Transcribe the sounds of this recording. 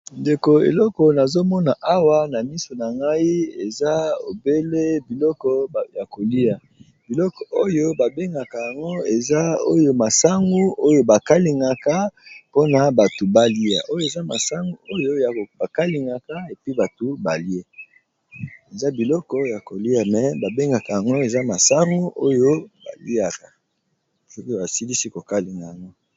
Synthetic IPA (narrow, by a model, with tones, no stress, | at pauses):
nde˨ko˨ḛ˨lɔ˦kɔ˨na˨zo˦mɔ˦na˨ʔa˦wa˦na˨mi˦so˨na˨ŋɡa˦i˦e˨za˦o̰˨be˦le˦bi˨lɔ˦kɔ˦ja˨ko˨li˦a˨ | bi˨lɔ˦kɔ˨ʔo˦jo˦ba˨be˦ŋɡa˨ka˨ja˨ŋɡo˦e˨za˦o̰˦jo˨ma˨sa˦ŋɡu˦o˦jo˨ba˨ka˦li˨ŋɡa˨ka˦po˦na˨ba˨tu˨ba˦li˦a̰˨ʔo˦jo˦e˨za˦ma̰˨sa˦ŋɡu˦o˦jo˦ja˨ba˨ka˦li˨ŋɡa˨ka˦e˨pi˦ba˨to˨ba˨li˦e˦ | e˨za˦bi˨lɔ˦kɔ˦ja˨ko˨li˦a˨mɛ˨ba˨be˦ŋɡa˨ka˨ja˨ŋɡo˦e˨za˦ma˨sa˦ŋɡu˦ʔo˦jo˦ba̰˨li˦a˨ka˨ | so˦ka˨si˦li˦si˦ko˨ka˦li˨ŋɡa˨ja˨ŋɡo˦